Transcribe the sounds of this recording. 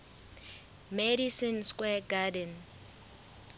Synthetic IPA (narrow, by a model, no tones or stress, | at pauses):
medisinskʼwɛɡadɛn